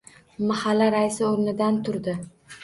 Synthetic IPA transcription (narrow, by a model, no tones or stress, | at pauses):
mahalːaɾaɪsɪoɾnɪd̪ant̪ʰʊɾd̪ɪ